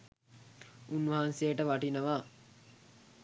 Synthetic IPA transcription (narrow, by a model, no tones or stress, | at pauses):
unʋɐɦansejəʈəʋaʈinəʋaː